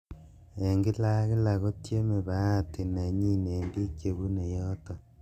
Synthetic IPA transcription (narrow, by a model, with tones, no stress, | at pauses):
e˨ŋɡe˦la˦ɣe˦la˨ɣo˦tje˦me˨βa˦˨te˨na˨ɲi˦neː˨mbi˦kje˨βu˦ne˨jo˦to˨